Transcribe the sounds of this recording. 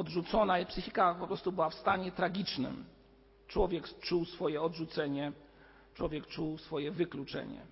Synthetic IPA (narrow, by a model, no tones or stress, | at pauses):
ɔdʐut̪sɔnapsɘxʲikapɔpɾɔst̪ubɘwafst̪aɲɛt̪ɾaɡʲit͡ʂnɘ̰m | t͡ʂwɔvʲjɛkt͡ʂuwsfɔjɛɔdʐut̪sɛɲɛ | t͡ʂwɔvʲjɛkt͡ʂuwsfɔjɛvɘklut͡ʂɛ̰ɲɛ̰